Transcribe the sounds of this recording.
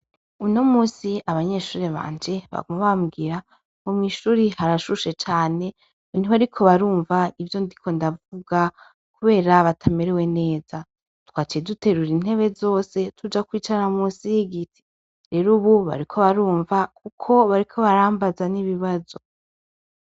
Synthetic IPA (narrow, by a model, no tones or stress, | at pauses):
uno̞muːsiaβaɲe̞ʃuːɾeβa̰ːɲd͡ʒe̞βa̰ɡumaβamɡiɾa | omŋiːʃuːɾihaɾaʃuʃe̞t͡ʃaːne̞ | niβaɾikʰo̞βaɾuːɱvaivjondikʰo̞ndavuɡa | kuβe̞ːɾaβatʰameɾewe̞ne̞ːz̥a | twaːt͡ʃedute̞ɾuɾin̥he̞βe̞zo̞ːse̞tʰud͡ʒakwiːt͡ʃanamuːsijeɡitʰi̥ | ɾe̞ɾuβuβa̰ɾikʰo̞βaɾuːɱvakukʰo̞βaɾikʰo̞βaɾaːmbazaniβiβazo̞